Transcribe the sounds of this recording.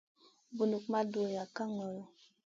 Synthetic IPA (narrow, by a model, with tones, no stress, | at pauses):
bu˨nu˨kma˦do˨ja˨ka˦ŋɔ˨lo˨